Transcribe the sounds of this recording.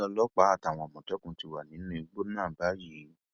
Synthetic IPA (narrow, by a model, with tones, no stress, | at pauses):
ɔ˧lɔ˦k͡pa˨˦a˦˨ta˨w̃ɔ̃˧˨mɔ̃˨tɔ˨˦kũ˧ti˧wa˨nĩ˨˦nũ˦i˧ɡ͡bo˦nãː˦˨ba˨˦ji˨˦